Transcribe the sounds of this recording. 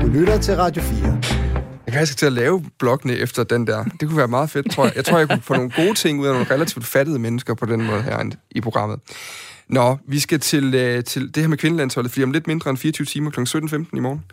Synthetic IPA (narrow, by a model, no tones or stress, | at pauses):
d̥ulyɾɐt͡sʰe̝lʁɑ̈d̥jo̝fiːɐjɑkʰæælsɡ̥t͡sʰe̝ælɛːʊb̥lɒ̽ɡ̥ənəʔefd̥ɐd̥end̥æɐ̰d̥e̝kʰuʋæːɐmɑ̈ːð̞̩ˠfe̝d̥t͡sʰʁo̝ɐ̰jɑ̈ɪt͡sʰo̝ɐ̰jɑ̈kufɔ̽no̝ːn̩ɡ̥o̝ːt͡sʰe̝ŋ̰uð̰ˠæno̝ːn̩ʁɛlæt͡sʰiʊ̰d̥fædð̞̩ˠəmenəsɡ̥ɐpʰɒ̽d̥enmɔ̽ːðˠɦæɐ̰ipʰʁo̝ɡ̥ʁɑ̈m̰ð̩ˠ | nɒʋisɡ̥æt͡sʰe̝lət͡sʰe̝ld̥e̝hæɐmekʰʋe̝nəlæn̰shɒ̽lð̩ˠfd̥ḭːɒmle̝d̥me̝nd̥ʁɐenfiːɐt͡sʰyʊt͡sʰiːmɐkʰlɒ̽ɡŋ̩sød̥n̩femd̥n̩imɒːn̩